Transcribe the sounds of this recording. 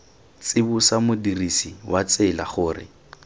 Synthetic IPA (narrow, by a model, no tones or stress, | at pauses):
t͡sɪbʊsamʊdirisiwat͡sɪla̰χʊːrɪ̰